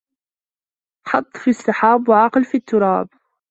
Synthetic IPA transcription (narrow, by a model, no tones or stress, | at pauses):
ħɑt̪ˤːfiɑsˤːɪħaːbwaʕɑqlfiːt̪ːʊɾˤɑːb̚